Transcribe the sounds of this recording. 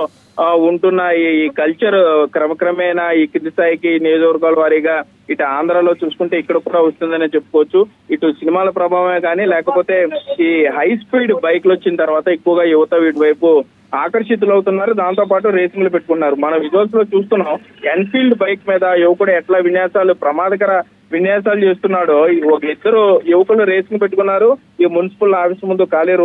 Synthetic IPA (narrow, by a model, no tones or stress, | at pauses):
uɳʈunːɐikɐlt͡ʃɐɾkɾɐmɐkɾɐmɛːjnɐiːkɾid̪ist̪aːjikinijoːd͡ʒɐʋɐɾɡaːlɐʋaːɾiːɡaː | iʈuaːnd̪ɾaːlo̞ːt͡ʃuːsu̥kuɳʈe̞ːikːɐɽɐkuːɽaːʋost̪und̪ɐnet͡ʃepːu̥kɔʋɐt͡ʃːu | iʈusinimaːlɐpɾɐbʱaːʋɐmeːɡaːnilɛːkɐpo̞ːt̪e̞ːiːɦɐjspiːlɖbɐjklot͡ʃːinɐt̪ɐɾuʋaːt̪ɐekːuʋɐɡaːjuʋɐt̪ɐʋiːʈuʋɐjpu | aːkɐɾʂit̪̬ulɐwut̪unːaːɾud̪aːnt̪o̞ːpaːʈ̬uɾe̞ːsiŋɡlupe̞ʈːukuɳʈːaːɾumɐnɐmʋid͡ʒiʋɐls̬lo̞ːt͡ʃuːst̪unːaːmenpiːlɖbɐjkmiːd̪ɐjuʋɐkuɽɐɛʈlaːʋinjaːsaːlupɾɐmaːd̪ʱɐkɐɾɐ | ʋinjaːsaːlut͡ʃe̞ːst̪unːaːɽoːɔkɐid̪ːɐɾujuʋɐkɐluɾeːsiŋɡpe̞ʈːukunːaːɾu | imunisi̥pɐlnaːʋɐʃɐmːund̪ukaːliːɾ